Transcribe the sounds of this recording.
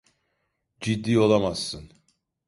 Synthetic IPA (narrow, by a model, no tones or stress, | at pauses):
d͡ʒid̪ːiːo̞lˠamaz̥ːɯn